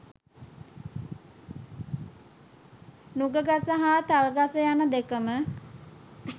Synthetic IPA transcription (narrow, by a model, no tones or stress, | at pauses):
nuɡəɡasəɦaːt̪alɡasəjanəd̪ekəmə